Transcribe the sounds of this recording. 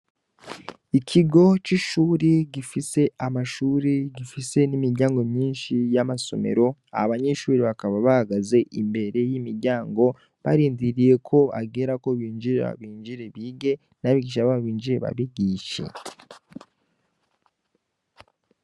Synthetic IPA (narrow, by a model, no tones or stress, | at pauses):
icʰiɡo̞t͡ʃiʃuːɾiɟifise̞ʔamaʃuːɾiɟifise̞nimiɾɟaːŋɡo̞mɲiːnʃijamaso̞̰me̞̰ɾo̞a̰aβaɲe̞ʃuːɾiβakaβaβahaɡaze̞ʔimbe̞ɾe̞jimiɾɟaːŋɡo̞ | βaɾiːndiɾije̞kʰo̞a̰ɡeɾako̞βiːnd͡ʒiɾea̰a̰βiːnd͡ʒiɾe̞βiːɡe̞ | naβiɡiʃaβaβaβiːnd͡ʒiɾe̞βa̰βiɡiːʃe̞̰